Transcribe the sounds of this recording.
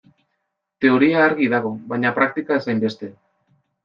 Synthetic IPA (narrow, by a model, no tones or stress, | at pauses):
t̪e̞o̞ɾiaːɾɣiðaɣ̞o̞βajɲapɾak̚t̪ikaesajmbe̞st̪e̞